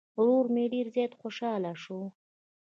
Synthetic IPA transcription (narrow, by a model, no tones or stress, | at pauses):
ɾoɾmeɖeɾzjɑjt̪xoʃɑlaʃu